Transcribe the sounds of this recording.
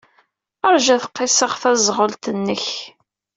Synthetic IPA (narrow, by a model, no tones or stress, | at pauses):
əɾˤʒæθə̥qːɪsəʁθæzʁəlt̪ənːəç